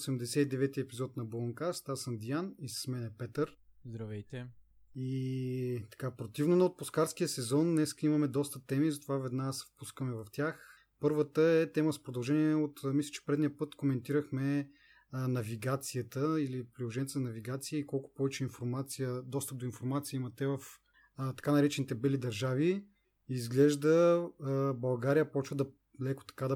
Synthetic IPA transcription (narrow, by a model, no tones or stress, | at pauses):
sɛmd̪ɛsɛid̪ɛvɛt̪iəɛpizɔt̪nɐblˠɐŋkast̪aɾsənd̪ijanisə̥smɛnɛpɛt̪əɾ | zd̪ɾɐvɛjt̪ɛ | i | t̪ɐ̥kapɾot̪ivnonɐot̪̚poskaɾsk̟ijəsɛzɔnːɛskəimɐmɛd̪ɔst̪ət̪ɛmizɐt̪ovavɛd̪nasfpuskəmɛvɐft̪ʲjax | pɤɾvət̪əɛt̪ɛməzpɾod̪ɐlˠʒɛniɛɛot̪mislʲə̥t͡ʃɛ̥pɾɛd̪nijəpɤt̪komɛnt̪iɾəxmɛ | nɐviɡat̪sijət̪əilipɾilˠoʒɛnʲɛt̪nɐnɐviɡat̪siəikɔlˠkʊ̥pɔvɛt͡ʃɛinfoɾmat̪sijəd̪ɔst̪əp̚d̪oinfoɾmat̪sijəimɐt̪ɛvɐf | t̪ɐ̥kanɐɾɛt͡ʃɛnit̪ɛbɛlid̪ɐɾʒavi | izɡlɛʒd̪ə | bɐlˠɡaɾijəpɔt͡ʃvəd̪ɐ | lɛko̥t̪ɐ̥kad̪ɐ